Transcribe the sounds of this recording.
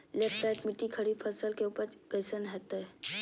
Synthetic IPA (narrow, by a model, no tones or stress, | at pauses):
leːpʈaʈmɪʈːikʰəɾipʰəsəlkeʊpəɾɡəsənɦɛːt̪ɦɛ